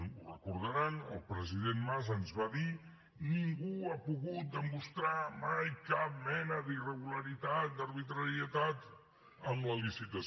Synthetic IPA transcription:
urəkuɾðəɾanəlˠpɾəziðenmazənzβaði | niŋɡuapuɣut̪̚d̪əmust̪ɾamajkap̚mɛnəðirəɣuləɾit̪at̪̚d̪əɾβit̪ɾəɾiət̪at̪ | əmləlisit̪əs

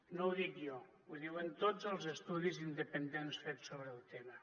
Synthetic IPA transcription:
nowðikjɔ | uðiwent̪ozəlˠzəst̪uðizind̪əpənd̪ensfesoβɾəːlˠt̪emə

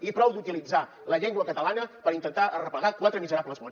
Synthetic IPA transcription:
ipɾɔwd̪ut̪ilid͡za | ləʎɛŋɡwəkət̪əlanəpəɾint̪ənt̪aʔərəpəɣakwat̪ɾəmizəɾapləzβɔn

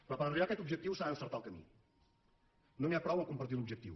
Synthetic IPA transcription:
pɾɔpəɾəriβakɛt̪ubʒək̚t̪iwsəɾaəsəɾt̪alˠkəmḭ | noniapɾɔwəŋkumpəɾt̪iunubʒək̚t̪ḭw

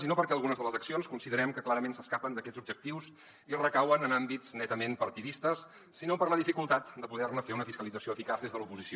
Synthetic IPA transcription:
sinopəɾkɛəlˠɣunəzðələzəksionskunsiðəɾɛmkəklaɾəmensəskapənd̪əkɛzubd͡ʒək̚t̪iws | irəkawənənambiznɛt̪əmempəɾt̪iðist̪əsː | inopəɾləðifikulˠt̪at̪d̪əpuðɛrnəfeunəfiskəlid͡zəsioəfikazðezðəlupuzisi

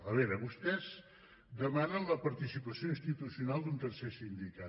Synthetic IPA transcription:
əβɛɾəβust̪ɛz | d̪əmanənləpəɾt̪isipəsioĩnst̪it̪usiunalˠd̪unt̪əɾsesind̪ika

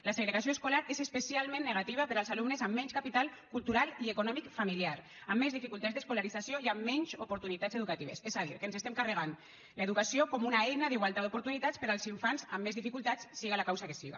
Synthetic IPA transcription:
laseɣɾeɣasioeskulaɾezespesialˠmẽnːeɣat̪iβ̞apeɾalˠzalumnezamːɛɲskapit̪alˠkulˠt̪uɾaliekonɔmikfamiliaɾ | amːezðifikulˠt̪azd̪eskulaɾizasioiamːɛɲzupuɾt̪unit̪azeðukat̪iβ̞esezaðiɾkənsest̪emkarəɣ̞an | ləeðukasiokɔmunaɛjnaðiɣwalˠt̪at̪d̪upuɾt̪unit̪aspeɾalˠziɱfansamːezðifikulˠt̪at͡ssiɣalakawsakesiɣa̰

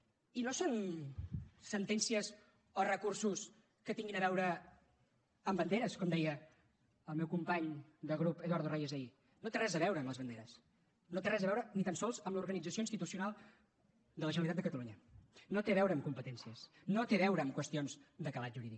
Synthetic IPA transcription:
inoson | sənt̪ɛnsiəz | orəkursus | kət̪iŋɡinəβɛwɾə | mbənd̪eɾəskɔmd̪ɛjə | əlˠmɛwkumpaɲd̪əɣ̞ɾupeðwaɾðorejezəi | not̪erɛzəβɛwɾəːmləzβənd̪eɾəs | not̪erɛzəβɛwɾənit̪ansɔlˠzəmluɾɣənid͡zəsioinst̪it̪usiunalˠ | d̪ələʒənəlit̪at̪əkət̪əluɲənot̪eβɛwɾəːmkumpət̪ɛnsiəs | not̪eβɛwɾəːmkwəst̪ionzd̪əkəlat̪ʒuɾiðik

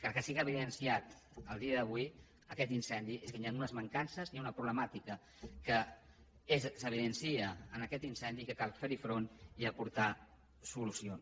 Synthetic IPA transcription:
kəlˠkəsiɣəβiðənsiat̪ | əlˠd̪iəðəβ̞ui | əkɛt̪insɛnd̪ieskənianunəzməŋkansəzniaunəpɾuβləmat̪ikə | kə | ezsəβ̞iðənsiəənəkɛt̪insɛnd̪ikəkalˠfeɾifɾoniəpuɾt̪a | sulusions

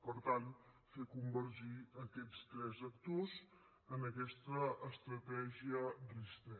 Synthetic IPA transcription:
pəɾt̪an | fekumbəɾʒiəkɛt͡st̪ɾɛzəkt̪oz | ənəkɛst̪əːst̪ɾət̪ɛʒiədrist̪ɛ

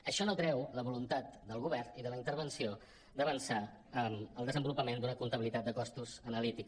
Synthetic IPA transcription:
əʃɔnot̪ɾɛwləβulunt̪at̪d̪əlˠɣ̞uβɛrniðələint̪əɾβənsio | d̪əβənsa | əməlˠd̪əzəmbulupəmend̪unəkunt̪əβilit̪at̪̚d̪əkɔst̪uzənəlit̪ik

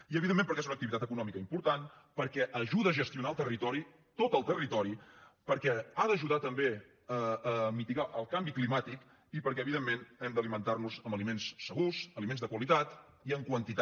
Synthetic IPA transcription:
iəβiðemːẽmpəɾkezunək̚t̪iβit̪at̪əkunɔmikəimpuɾt̪an | pəɾkɛʔəʒuðəːʒəst̪iunaəlˠt̪ərit̪ɔɾi | t̪ot̪əlˠt̪ərit̪ɔɾipəɾkɛaðəʒuðat̪əmbe | əːmit̪iɣaʔəlˠkambiklimat̪ik | ipəɾkɛəβiðemːenɛmd̪əlimənt̪arnuzəmbəlimensːəɣuzəlimenzðəkwəlit̪at̪ | iəŋkwənt̪it̪

